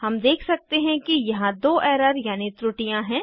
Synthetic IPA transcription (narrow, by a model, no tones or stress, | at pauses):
hɐmd̪eːkʰsɐk̚t̪eɦɛ̃kijɐɦãd̪oːʔɛːɾəɾjaːnit̪ɾʊʈijãɦɛ̃ː